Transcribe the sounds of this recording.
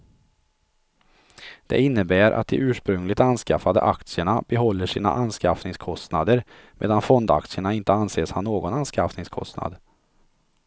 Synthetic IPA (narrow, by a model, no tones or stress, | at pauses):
d̪̥ɛ̰ɪnːəbæːɾʔa̰t̪̚d̪ɪʔʉ̟ːʂpɾɵŋlɪt̪anskafad̪ə̰ʔakt̪sɪəɳab̥ɛɦɔlːəʂiːna̰ʔanskafnɪŋskʰɔst̪nad̪əɾ | mʔḛːd̪anfɔnd̪a̰k̚t̪sɪəɳaɪnt̪əanseːshanːoːɡɔnanskafnɪŋskʰɔ̰st̪na̰d̪